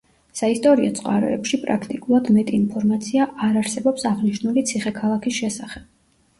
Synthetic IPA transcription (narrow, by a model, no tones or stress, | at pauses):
saist̪ʼɔɾiɔ̰t̪sʼqʼa̰ɾɛ̰ɛpʃipʼɾakʰt̪ʼikʼulˠad̪mɛt̪ʼiːnpʰɔɾmat̪sʰiaʔaɾaɾsɛbɔpsaʁniʃnulit̪sʰiχɛkʰalˠakʰisʃɛsaχɛb̥̚